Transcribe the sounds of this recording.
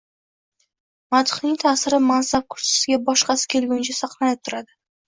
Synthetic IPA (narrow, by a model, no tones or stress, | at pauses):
mat̪ʰɪ̥χnɪŋt̪ʰaːsɪɾɪmansab̚kʰʊ̥ɾsɪ̥sɪɡʲabɒʃqɑsɪ̥kʲʰe̞lˠɡʲʊnt͡ʃʰasɑqlˠaj̪ɪp̚t̪ʰʊɾad̪ɪ